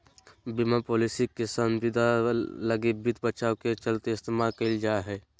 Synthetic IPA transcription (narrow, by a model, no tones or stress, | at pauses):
bimapoːlisikesəmʋɪd̪ʱaləɡibɪt̪bət͡ʃaːoket͡ʃəlt̪eɪst̪emakeld͡ʒaːɦɛː